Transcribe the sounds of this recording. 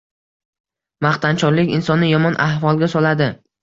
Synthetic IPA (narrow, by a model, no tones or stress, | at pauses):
maχt̪ant͡ʃʰɒɾlɪkʲɪnsɒnːɪjɒmɒnʔahvɒlˠɡʲasɒlad̪ɪ